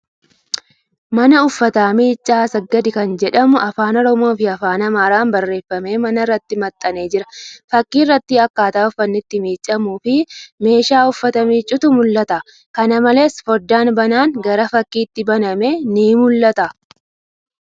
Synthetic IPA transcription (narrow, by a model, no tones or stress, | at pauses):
mɐnɐʊfːɐt̪aːmiːt͡ʃʼːaːsɐɡɐd̪ɪkɐnd͡ʒɛᶑɐmʊʔɐfaːnɔɾɔmo̞ːfɪɐfaːnɐmaːɾaːmbɐrːe̞ːfːɐme̞ːmɐnɐrːɐt̪ːɪmɐt̪ʼːɐne̞ːd͡ʒɪɾɐfɐkːiːrːɐt̪ːɪɐkːaːt̪aːʊfːɐnːɪt̪ːɪmiːt͡ʃʼːɐmuːfɪme̞ːʃaːʊfːɐt̪ɐmiːt͡ʃʼːʊt̪ʊmʊlːɐt̪ɐ | kɐnɐmɐle̞ːsfɔɾd̪aːnbɐnaːŋɡɐɾɐfɐkːiːt̪ːɪbɐnɐme̞ːniːmʊlːɐt̪ɐ